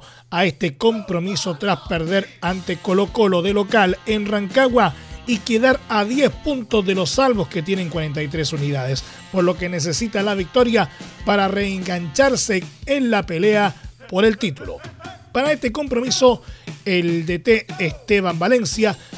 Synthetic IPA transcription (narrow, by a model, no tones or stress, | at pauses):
ae̞st̪eko̞mpɾo̞miso̞t̪ɾaspeɾðe̞ɾant̪eko̞lo̞ko̞lo̞ðelo̞kale̞nraŋkaɣwaikeðaɾaðjespunt̪o̞zðe̞lo̞sːalβo̞ske̞t̪̬jene̞ŋkwaɾe̞nt̪̬ajt̪ɾesuniðaðes | po̞ɾlo̞ke̞ne̞s̬e̞sit̪alaβik̚t̪o̞ɾjapaɾareːŋɡant͡ʃaɾse̞ːnlape̞leapo̞ɾe̞lt̪it̪ulo̞̰paɾae̞st̪eko̞mpɾo̞miso̞eld̪et̪eest̪e̞βambale̞nsja